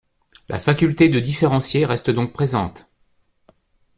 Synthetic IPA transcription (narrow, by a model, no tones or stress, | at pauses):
lʔa̰fakʲylt̪ed̪əd̪ifeʁɑ̃sjeʁɛst̪əd̪ɔ̃k̚pχezɑ̰̃t̪